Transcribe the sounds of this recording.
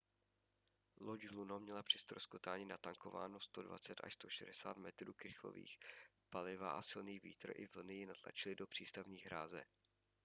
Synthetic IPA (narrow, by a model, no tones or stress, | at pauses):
loɟɦlunomɲɛlapr̥ɪst̪ɾo̞skot̪aːɲinat̪aŋko̞va̰ːno̞st̪o̞dva̰t͡sɛt̪ʔa̰ʃst̪o̞ʃɛdɛsa̰ːt̪mɛt̪ɾuːkɾɪxo̰vḭːx | palɪva̰ʔasɪlniːviːt̪ɾo̰ʔɪvl̩nɪjɪnat̪la̰t͡ʃɪlɪdo̞pr̝̥iːst̪avɲiːɣɦɾaːzɛ̰